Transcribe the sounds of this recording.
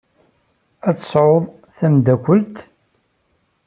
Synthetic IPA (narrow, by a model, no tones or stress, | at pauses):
æt͡sːə̥sˤʕʊðˤ | θæmd̪ækʷəlt̪